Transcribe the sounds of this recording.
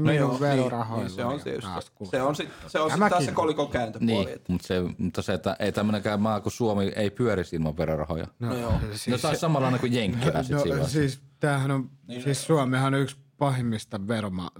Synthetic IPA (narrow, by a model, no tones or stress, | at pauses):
mioʋʋerorɑhojseont̪ḭtɑ̰skuseonsit̪seonsit̪æssekolikokæːnt̪øniːmut̪semut̪ːɑset̪ːæʔeˑit̪æmːønekæmmɑːkusuomieˑipyøɾisilmɑʋʋerorɑ̰ho̰jɑ̰noosinesɑˑisɑmɑlːˑɑˑinekujjeŋkːilæ̰ːsinosio̰siːst̪æːhænosiːssuɑmehɑnoykspɑhemːist̪ɑʋeromɑ̰